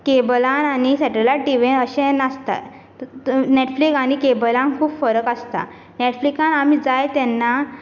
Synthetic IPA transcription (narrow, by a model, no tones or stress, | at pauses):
kebəlanañisɛʈelaʈiʋẽnəɕẽnast̪a̰ | neʈflikaɽ̃ikebəlãnkʰuːbfəɾəkəst̪a̰ | neʈflikãnam̤iːd͡zajt̪ɛnːa